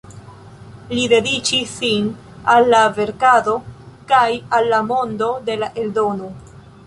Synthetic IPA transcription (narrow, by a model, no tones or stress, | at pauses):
lide̞dit͡ʃisin | alːave̞ɾkado̞kajalːamo̞ndo̞de̞laʔe̞ldo̞no